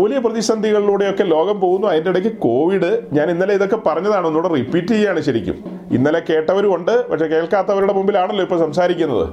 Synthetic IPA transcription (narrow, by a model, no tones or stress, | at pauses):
uːlijɐprɐðiɕɐnd̪ʱiɣɐɭiluːɽe̞jo̞kːe̞lo̞ːɣɐmpo̞ːɣunːuɐðindeiɽɐk̬ʲːɨko̞ːʋiɽɨɲaːninːɐleiðo̞kːe̞pɐrɐɲːɐðaːɳo̞nːuːɽeripːiːtːijaːɳɨɕɐɾḭkʲːṵm | ḭnːɐleke̞ːʈːɐʋɐɾuo̞ɳɖɨpɐ̰kʂeke̞ːɭkaːt̪ːɐʋɐɾuɽe̞mumbilaːɳɐlːo̞ːipːoɭsɐmsaːɾikʲːunːɐ̰ðɨ̰